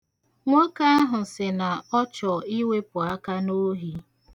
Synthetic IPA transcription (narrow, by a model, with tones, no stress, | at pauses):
ŋʷɔ˦ka˦a˦ɦʊ˨sɪ˨na˨ɔ˦t͡ʃɔ˨i˦we˦pʊ˨a˦ka˦no˦ɦi˦